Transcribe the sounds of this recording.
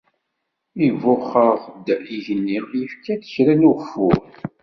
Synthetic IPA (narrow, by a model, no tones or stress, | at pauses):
ivʊχəʁd̪iʝənːijəfkæθə̥çɾænʊʁfʊʁ